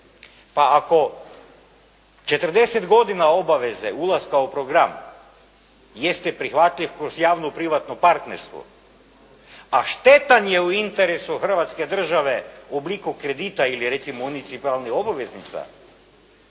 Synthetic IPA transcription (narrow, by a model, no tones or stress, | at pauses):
paako̞ | t͡ʃe̞t̪r̩d̪e̞set̪ɡo̞d̪inao̞baʋe̞zeulˠaskaupɾo̞ɡɾam | jest̪epɾixʋat̪ʎʲiʋkɾozjaːʋnopɾiʋat̪nopaɾt̪neɾst̪ʋo̰ | aʃt̪et̪anjeuint̪eɾesuxr̩ʋat̪ske̞d̪r̩ʒaʋe̞oblikukɾe̞d̪it̪ailiɾet̪simounit̪sipalˠnixo̞baʋeznit̪sa̰